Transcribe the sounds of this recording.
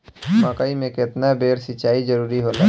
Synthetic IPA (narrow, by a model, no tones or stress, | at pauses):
maːkaːimẽkɪt̪nabeːɾsɪt͡ʃaːizd͡ʒəɾuːɾiɦoːlaː